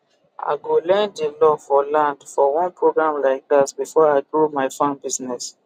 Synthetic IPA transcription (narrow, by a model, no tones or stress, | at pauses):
ʔa̰ɪɡolɛ̃ndilɔfɔlãndfɔwɔ̃npʰɹoɡɹãmlaɪk̚dasbifɔaɪdɹumaɪfãnbiznɛs